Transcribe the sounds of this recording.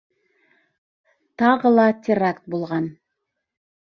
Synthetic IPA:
t̪ɑʁəlˠɑtʲʰɪrakt̪̚bulˠʁɑn

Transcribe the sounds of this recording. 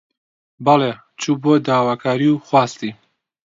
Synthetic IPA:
bɑleː | t͡ʃʰubuod̪aːwaːkʰaːɾiwxwaːst̪i

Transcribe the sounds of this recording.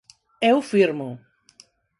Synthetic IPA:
ɛʊfiɾmʊ

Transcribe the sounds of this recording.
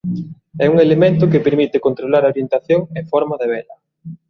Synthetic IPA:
ɛuŋelemẽnt̪ʊkepeɾmit̪ɪkont̪ɾolaɾɐoɾjent̪aθjoŋefɔɾmɐðeβɛlɐ

